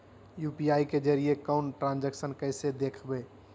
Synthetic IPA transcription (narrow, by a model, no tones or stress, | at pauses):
juːpiaːiked͡ʒəɾijekəʊnʈɾãnd͡ʒeksənkəɪsed̪eːkʰbeː